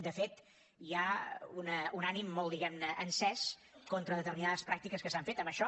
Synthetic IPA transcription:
d̪əfet̪ | iaunəunanimːolˠd̪iɣɛmnəʔənsɛs | kont̪ɾəðət̪ərminaðəspɾak̚t̪ikəskəsaɱfet̪əməʃɔ

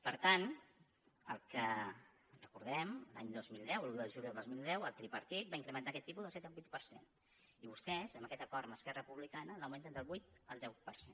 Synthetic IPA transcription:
pəɾt̪an | ə̰lˠkə | rəkuɾðɛmlaɲd̪ozmilˠd̪ɛwəluðəʒuljolˠozmilˠd̪ɛwəlˠt̪ɾipəɾt̪it̪̚baiŋkɾəmənt̪akɛt̪ːip̬uzðəlˠsɛt̪əlˠbut̪̚pəɾsḛn | iβust̪ɛzəməkɛt̪əkɔɾəməskɛrəpuβlikanələwment̪ənd̪əlˠβujt̪̚əlˠd̪ɛwpəɾse

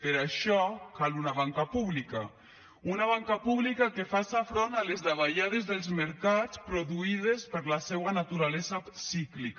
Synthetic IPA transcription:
peɾaʃɔkalunaβaŋkapuβlika | unaβ̞aŋkapuβlikakefasafɾonalezðaβaʎaðezðelˠzmeɾkat͡spɾoðuiðespəɾlasɛwanat̪uɾalɛzasiklik

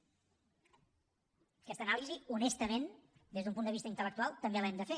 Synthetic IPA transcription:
kɛst̪ənaliziunɛst̪əmend̪ezðumpund̪əβist̪əint̪ələk̚t̪ualˠt̪əmbelɛmd̪əfe

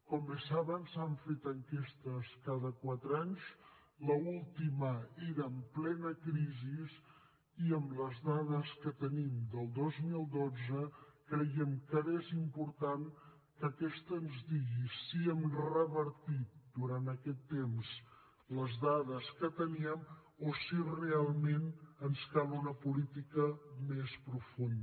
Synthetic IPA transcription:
kɔmbesaβənsaɱfet̪əŋkest̪əskaðəkwat̪ɾaɲs | ləulˠt̪iməeɾəːmplɛnəkɾizis | iəmləzðaðəskət̪ənimd̪əlˠd̪ozmilˠd̪od͡zəkɾəjɛmkəezimpuɾt̪an | kəkɛst̪əːnzdiɣisiɛmrəβəɾt̪it̪̚d̪uɾant̪əkɛt̪ːemz | ləzðaðəskət̪əniəm | osirealˠmenənskalunəpulit̪ikəmespɾufun

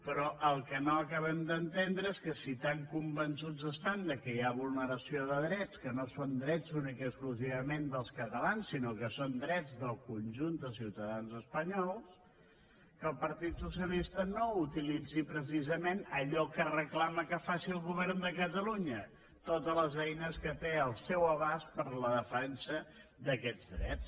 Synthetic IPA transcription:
pɾɔʔəlˠkənoəkaβəmd̪ənt̪end̪ɾəeskəsit̪aŋkumbənsud͡zəst̪and̪əkəjaβulˠnəɾəsioðəðɾɛt͡skənosond̪ɾɛd͡zzunikəkskluziβəmend̪əlˠskət̪əlansːinokəsond̪ɾɛd͡zd̪əlˠkunʲʒunt̪̚d̪əsiwt̪əðanzəspəɲɔlˠs | kəlˠpəɾt̪it̪susiəlist̪ənout̪ilid͡zipɾəsizəmenəʎɔkərəklaməkəfasiəlˠɣuβɛɾnd̪əkət̪əluɲə | t̪ot̪ələzɛjnəskət̪eəlˠsɛwəβaspəɾləðəfɛnsə | d̪əkɛdd͡zd̪ɾɛ̰t͡s

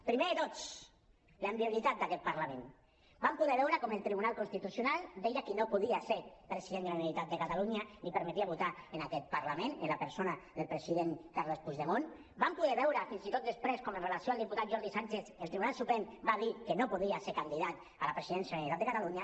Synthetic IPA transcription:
pɾimeət̪ot͡s | ləmbiulit̪at̪̚d̪akɛt̪̚paɾlamẽn | bampuðɛβɛwɾəkɔməlˠt̪ɾiβunalˠkunst̪it̪usjunalˠd̪ejakənopuðiaseɾpɾesiðend̪əlanit̪at̪̚d̪əkat̪aluɲanipəɾmet̪iaβut̪aenakɛt̪̚paɾlamẽnə̰nlapəɾsonaðelˠpɾesiðenkaɾlospuzðemon | bampuðɛβɛwɾəfinzit̪ot̪̚əspɾeskomənrelasioalˠd̪iput̪at̪ʒɔɾðisant͡ʃeθelˠt̪ɾiβunalˠsupɛmbaðikənopuðiaseɾkand̪iðat̪ | alapɾesiðɛnsjanit̪at̪d̪əkat̪aluɲa

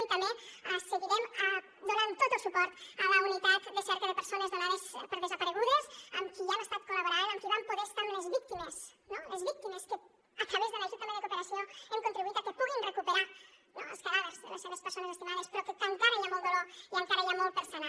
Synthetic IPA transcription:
nt̪əmeəsəɣuðɛmə | d̪onant̪ot̪əlˠsupɔɾt̪ələunit̪at̪d̪əsɛɾkəðəpəɾsonəzðunaðəspəɾðəzəpəɾəɣ̞uðəzəmkianəst̪at̪̚kolaβoɾaðəŋkiβampoɾest̪anləzβik̚t̪iməsnoləzβik̚t̪iməskə | ət̪ɾəβezðələik̚t̪iməðək̪upəɾəsiəəŋkunt̪ɾiβuit̪əkəpuɣinrəkupəɾa | noləskəlaðəzðə̰ləsːeβəspəɾsonəzəst̪imaðəspəɾɔkət̪ənt̪anəʎamolˠd̪əlɔlənt̪aɾəʎamol̚ˠpəɾsona

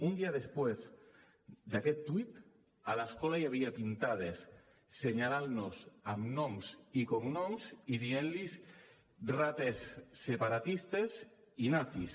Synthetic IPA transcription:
und̪iaðespwez | d̪akɛt̪ːwit̪ | alaskɔlajaβ̞iapint̪að̞esː | eɲalalnosamnɔmsikomnɔmsiðienlis | rat̪esːepaɾat̪ist̪es | inaθis

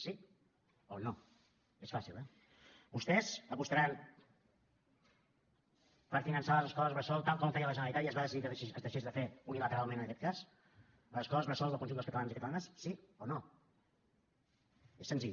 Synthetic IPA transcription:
si | ono | esfasilˠɛ | bust̪ɛzəpust̪əɾan | pəɾfinənsaləzəskɔləzβəsɔlˠt̪alˠkɔmfɛjələʒənəlit̪at̪iəzβaðəsiðiəzd̪əʃezðəfeunilət̪əɾalˠmẽnənəkɛt̪kas | ləzəskɔləzβɾəsɔlˠðəlˠkunʒumd̪əlskət̪əlanzikət̪əlanəsːiono | esənziʎ

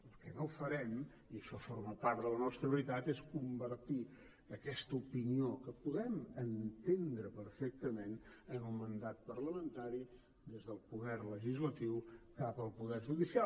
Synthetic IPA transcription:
əlˠkɛnowfəɾɛm | iəʃɔforməpaɾt̪dðələnɔst̪ɾəβəɾit̪at̪eskumbərt̪i | əkɛst̪əupiniokəpuðɛmənt̪end̪ɾəpəɾfɛk̚t̪əmenənəlˠmənd̪at̪̚pərləmənt̪aɾi | d̪ezðəlˠpuðɛrləʒizlət̪iwkapəlˠpuðɛrʒuðisia

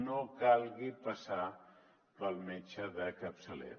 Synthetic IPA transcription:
nokalɡipəsa | pəlmet͡ʃʰəd̪ɐkəpsəlḛ

